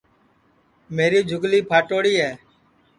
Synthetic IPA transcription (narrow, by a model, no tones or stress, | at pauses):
meːɾiːd͡ʒʱʊɡliːpʰaːʈoːɽiːɦɛː